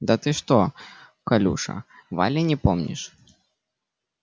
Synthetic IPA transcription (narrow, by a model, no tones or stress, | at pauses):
d̪ɐt̪ɨʂt̪o | kɐlʲṵʂɐ̰va̰lʲɪnʲɪpomnʲɪ̰ʂ